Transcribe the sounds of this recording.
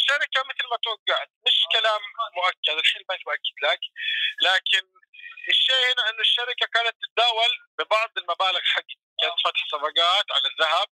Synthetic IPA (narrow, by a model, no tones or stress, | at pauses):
ɪʃːaɾɪkamɪt̪lmat̪waɡːaʕt̪̚mɪʃkalaːmːʊʔakːad̪ɪlħeːlbank̪̚bʔakːɪd̪laklaːkɪn | ʔɪʃːeːʔhɪnaʔɪnːʊɪʃːaɾɪkakaːnat̪ːɪ̥t̪ad̪aːwalbɪbɑʕd̪ˤɪlmabaːlɪɣħaɡː | kːaːnat̪fat̪ħsɑbɑɡɑːt̪ʕa̰laðːaɦab̚